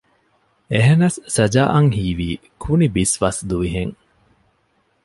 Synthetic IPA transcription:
eɦenɐsːɐd͡ʒaːʔɐŋhiːʋiː | kʰunibisʋɐsd̪uʋiɦeŋ

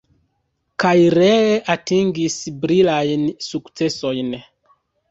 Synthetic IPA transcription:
kajiɾɛatiŋɡisibɾilajnsuksɛsɔjinɛ

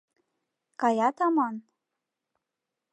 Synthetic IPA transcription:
kɑjɑt̪ɑmɑn

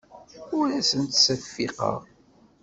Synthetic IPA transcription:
ʊɾæsənt̪sæfːiqɑ̰ʁ

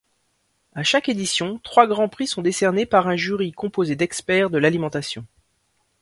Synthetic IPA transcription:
aʃaked̪isjɔ̃t̪χwaɡʁɑ̃pχisɔ̃d̪esɛʁnepaʁɛ̃ʒyʁikɔ̃pozed̪ɛkspɛʁd̪əlalimɑ̃t̪asjɔ̰̃

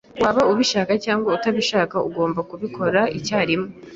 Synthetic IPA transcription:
waːβauβiʃakacaːŋɡwautaβiʃaːkaṵɡo̞ːmbakuβikʰo̞ɾaicaːɾimŋo

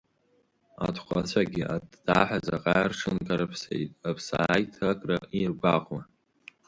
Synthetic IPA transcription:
a̰tʰχʷʼat͡ɕʷʰaɡʲɪʔadːaħazaqʼarʈ͡ʂʰɨnkʰʼaɾapʰsḛjtʼapʰsajtʰakʼrairɡʷaʁwa

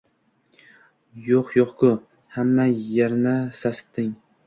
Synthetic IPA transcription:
joqjoqkʊ | hamːajaɾnasasɪ̥t̪ːɪŋ

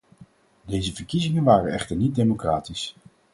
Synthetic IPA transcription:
dejzəvəɹkizɪŋənʋaːrənɛχtəɹnit̚dejmokraːtis

